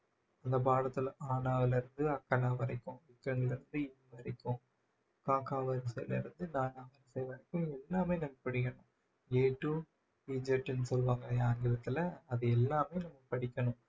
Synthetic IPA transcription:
ɐnd̪ɐpaːɽɐt̪ːɪlaːnaːʋɐlɪɾɯnd̪ɯɐkːɐnaːʋɐɾɐɪkːʊ̃ʋɪkːɾɐŋɡɐɭɪɾɯnd̪ɯɪnʋɐɾɐɪkːʊ̃ | kaːkaːʋɐɾsɛjlɪ̰ɾɯnd̪ɯnaːnaːʋɐnsɛjʋɐɾɐɪkːʊ̃ɛlːaːmeːnɐmːɐpɐɽɪkːɐɳʊ̃ | eːʈːu | iːd͡ʒɐʈːɛnːɯsɔlʋaːŋɡɐɐaːŋɡɪɾɐt̪ːɪlɐɐðɯɛlːaːmeːnɐmːɐpɐɽɪkʲːɐɳʊ̃

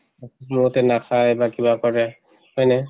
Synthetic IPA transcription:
mʊtɛnakʰajbakibakɔɹɛ | hɔjnɛ

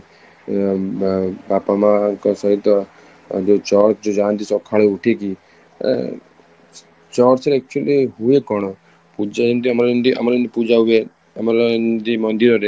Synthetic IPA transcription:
bapamãkɔsɔɦit̪ɔ | d͡ʒot͡ʃɔɾd͡ʒod͡ʒãnt̪isɔkʰːaɭeuʈʰekḭ | t͡ʃɔɾt͡ʃeɾɛk̚t͡ʃuəliɦuekɔɳ̃ɔ | pud͡ʒaent̪iəmaɾaend̪iʔə̰maɾĩnd̪ipud͡ʒaɦue | əmaɾand̪imənd̪iɾɔɾe

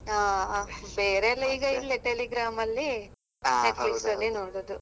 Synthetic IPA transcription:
aːbeːɾeɛlːɐiːɡɐilːɐʈeliɡɾaːmɐlːi | nneʈliksɐlːinoːɽod̪u

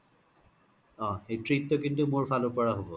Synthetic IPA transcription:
ɔ̃ejtɹit̪ːokint̪umoɹfʰalopɔɹaɦobo

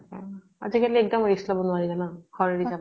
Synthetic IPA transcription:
a̰zikaliɛk̚dɔmoislɔbɔnʊaɹizanahɔɹeɹiza

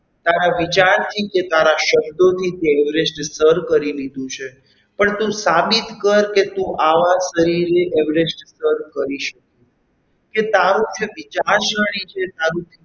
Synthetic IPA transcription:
t̪aɾaʋit͡ʃaɾt̪ʰiket̪aɾaʃəbd̪ot̪ʰit̪eɛʋɾesʈsəɾkəɾilid̪ũt͡ʃʰe | pəɳt̪ũsabit̪kəɾket̪ũʔaʋaʃəɾiɾeʔɛʋɾesʈsəɾkəɾiʃəku | ket̪aɾũt͡ʃʰeʋit͡ʃaɾʃəɽ̃it͡ʃʰet̪aɾũt̪ʰi

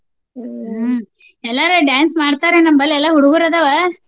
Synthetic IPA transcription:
ɛlːaːɾɯɖjaːnsmaːɽt̪aːɾenɐmbɐlːɛlːaɦuɽʊɣɯɾɐd̪ɐʋɐ

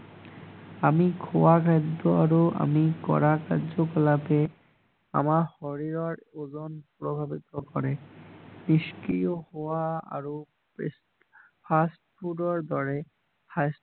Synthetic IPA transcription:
amikʰɔwakʰajd̪ːɔaɹuʔa̰mikɔ̰ɹakaɹzɔkɔlapɛ | a̰mahɔɹiɹɔɹozɔnpɹɔbʱabit̪ɔkɔɹɛniskijɔhowaa̰ɹu | pʰastpʰudɔɹd̪ɔɹɛ | has

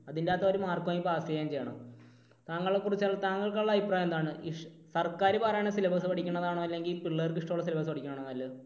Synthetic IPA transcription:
ɐðindaːt̪ːɐoɾumaːrkmaːjipːoaːsjɐjːaːmt͡ɕe̞jaɳɐ̰m | t̪aːŋːɐɭekːurit͡ɕːɐɭːɐt̪aːŋːɐɭkːɐɭːɐipːraːjend̪aːɳɨiʂ | sɐrkaːɾɨpaːrɐjaɳesilɐbʱɐs̬ɨpɐʈikʲːuɳːɐðaːɳoːɐlːe̞ŋɡilipiɭːɐrkɨiʂʈɐmuɭːɐs̬ilɐbɐs̬ɨpɐʈʰikʲːunːɐɳɐɐlːe

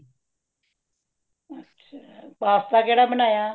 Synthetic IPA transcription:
ətːʃʰapaːst̪aːkeːɽaːbənaːjaː

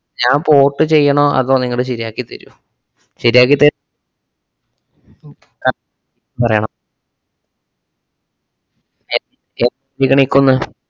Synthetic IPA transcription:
ɲaːmpo̞ːʈːɨt͡ɕe̞jːɐɳoːʔɐ̰ðoːniŋːɐɭɨɕiɾiaːkːit̪ɐɾṵ | ɕiɾjaːk̬ːit̪ːɐ | kɐ | i | pɐrɐjaɳɐm | e | e | ikʲːɐɳikːunːɐ

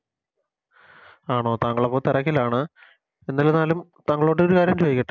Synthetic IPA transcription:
aːɳo̞ːt̪aːŋːɐɭepːoːt̪irɐkːilaːɳɨ | enːɐlenaːlumt̪ɐŋːɐɭo̞ːɽeoɾukaːɾjɐmt͡ɕejikʲːiʈːɨ

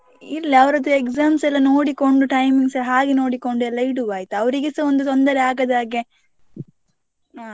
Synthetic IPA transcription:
iɾɐliɐʋɐɾɐd̪uekzaːmsɛlːɐno̞ːɽiko̞ɳɖuʈɐjmiŋɡsɦaːɡeno̞ːɽiko̞ɳɖuɛlːɐiɽuʋaːjit̪uɐʋɐɾiɡesɐond̪ut̪o̞nd̪ɐɾeaːɡɐd̪aːɡe | aː

